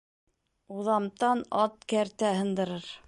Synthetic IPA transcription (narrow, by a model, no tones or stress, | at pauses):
uðɑmt̪ɑnɑt̪̚kæɾt̪æɦɤ̆nd̪ɤ̆ɾɤɾ